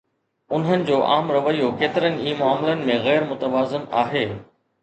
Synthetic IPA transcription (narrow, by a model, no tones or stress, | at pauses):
ʊn̤ɦənɪ̆d͡ʑoːʔaːmɾɐʋəijokeːt̪ɪɾənɪ̆iːmʊaːmɪlənɪ̆mẽɣɛːɾmʊt̪əʋaːzɪnaːɦeː